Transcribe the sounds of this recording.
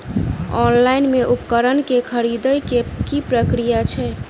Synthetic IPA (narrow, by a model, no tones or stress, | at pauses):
ɔnlainmeʔupkəɾənkekʰəɾid̪əjkekipɾəkɾijat͡ʃʰɛ